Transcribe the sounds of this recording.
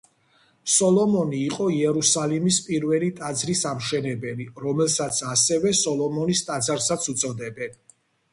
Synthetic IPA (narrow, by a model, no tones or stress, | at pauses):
sɔlˠɔmɔniːqʼɔiɛɾusalimispʼiɾvɛlit̪ʼad̪zɾisamʃɛnɛbɛliɾɔmɛlˠsat̪sʰasɛvɛsɔlˠɔmɔnist̪ʼad̪zaɾsat̪sʰut̪sʼɔd̪ɛbɛn